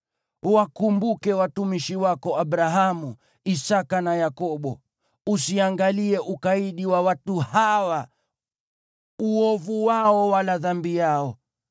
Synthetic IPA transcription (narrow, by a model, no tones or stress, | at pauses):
wakumbukɛwatumiʃiwakɔaɓɾaɦamu | isakanajakɔɓɔ | usiaŋɡaliɛʔukaiɗiwawatuhawa | uɔvuwaɔwalaðambijaɔ